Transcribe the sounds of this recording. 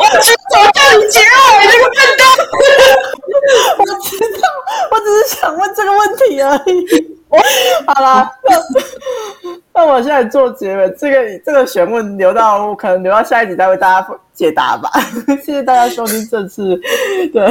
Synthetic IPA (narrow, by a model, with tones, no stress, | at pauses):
o˥˩t͡ɕa˥˩i˨˩t͡ɕjɛ˧˥ə˨˩ə˥˩ɡə˧˥˩ | wɔ˨˩ʈ͡ʂ̩˧˥t̪ɑ˥˩wɔ˨˩ʈ͡ʂɻ̩˨˧ʂ̩˥ɕjɑ˨˩ŋwə˥˧nʈ͡ʂə˥˩ɡə˩˨wə˥˩nt̪ʰi˧˥ə˞˧˥i˨˧ | xɑ˨˩ʊla˦na˥˧ | na˥˩wɔ˨˩ɕjɛ˥˧na˥˧ɪt͡swɔ˥˩t͡ɕjɛ˧˥wə˧˩nʈ͡ʂɤ˥˩ɡə˩˨˩ʈ͡ʂɤ˥˩ɡə˩ɕɥɛ˧˥nwə˥˩nljo˧˥ʊt̪ɑ˥˩ʊɔ˧˦kʰə˨˩nə˧˦ŋljo˧˥ʊɑ˥˧ja˧˥i˥˩t͡ɕʰi˨˩t͡sa˧we˥˧ɪa˥˧˩t͡ɕa˥t͡ɕjɛ˨˥t̪a̰˧˥˦ba̰˩ɕɕɛ˥˧˩t̪a˥˧t͡ɕja˥ʂo˥ʊt̪ʰi˥ŋʈ͡ʂə˥˧nt͡s̩ʰ˥˩t̪ə˧˩